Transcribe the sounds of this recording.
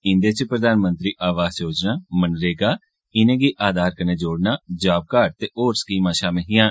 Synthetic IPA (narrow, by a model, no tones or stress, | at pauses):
ɪ̃nd̪eːt͡ʃpɾəd̪aːnmə̃nt̪ɾiːʔaːʋaːzjoːd͡ʒnaːmənɾeːɡaː | ɪnẽːɡiːʔaːd̪ʱaːɾkəneːd͡ʒoːɽnaːd͡ʒaːb̚kaːɖ̚t̪eːʔoːɾsə̥kiːmaːʃaːmẽɦɪːãː